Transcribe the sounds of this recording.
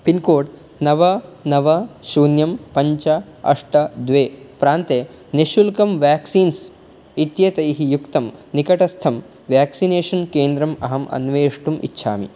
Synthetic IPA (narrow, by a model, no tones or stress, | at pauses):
pinkoːʈ | nɐʋɐnɐʋɐʃuːnjɐmpɐɲt͡ʃɐɐ̰ʂʈɐd̪ʋeːpɾaːnt̪eː | neʃulkɐmʋjaːksiːns | it̪jɐt̪ɐjɦijukt̪ɐmnikɐʈɐst̪ʰɐm | ʋjaːksineːʂɐnkeːnd̪ɾɐmɐ̰ɦɐmʔɐ̰nʋeːʂʈumḭtːʃʰa̰ːmḭ